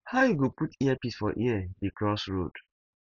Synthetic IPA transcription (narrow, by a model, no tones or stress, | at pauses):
haʊjuɡoputiɛpisfɔʔiɛdikɹɔsɹo̰d̥